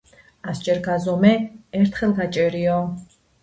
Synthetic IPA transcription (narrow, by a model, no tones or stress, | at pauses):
ast͡ʃʼɛɾɡazɔmɛɛɾt̪ʰχɛlɡat͡ʃʼɛɾiɔ